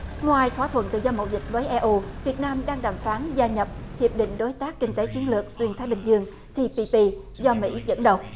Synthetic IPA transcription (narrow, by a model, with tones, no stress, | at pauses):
ŋwaː˨˩jt̪ʰwaː˧˩t̪ʰwə˧˨nt̪ɨ̰˧˨zɔ˧mə̰˧˩wzï˨˩k̚vəː˨˦jʔɛ˧ʔu˧vi˨˩ət̚naː˧mɗaː˧ŋɗaː˨˩mfaː˨˦nzaː˧ɲə˨˩p̚hi˨˩əp̚ɗḭ̈˧˨ŋ̟ɗo˨˦jt̪aː˦˥kːï˧ŋ̟t̪e˨˦t͡ɕi˨˦ənlɨ˨˩ək̚swi˧ənt̪aː˨˦jɓï˨˩ŋ̟zɨ˧əŋ | t̪i˧pi˧pi˧ | zɔ˧mḭ˧˥zə̰˧˥nɗə˨˩w